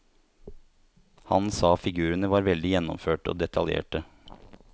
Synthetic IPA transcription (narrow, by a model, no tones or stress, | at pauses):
hɑ̰nsɑːfɪɡʉːɾənəʋɑːɾʋɛld̪ɪjɛnːɔ̰mføːʈəo̰ːd̪ɛt̪ʰɑljḛːʈə